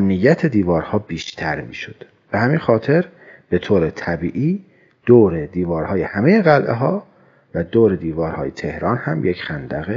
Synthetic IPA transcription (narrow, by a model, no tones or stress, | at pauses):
mnijːæt̪ʰed̪iːvɒːɾhɒːbiːʃt̪ʰæɾmḭːʃod̪̥ | b̥ehæmiːnxɒːt̪ʰe̞ɾ | b̥e̞t̪ʰoːɾet̪ʰæbiːʔiː | d̪̥oːɾed̪iːvɒːɾhɒːje̞hæmeje̞ɣælʔḛɦɒː | væd̪oːɾe̞d̪iːvɒːɾhɒːje̞t̪ʰe̞hɾɒːnhæmjecxænd̪æɣe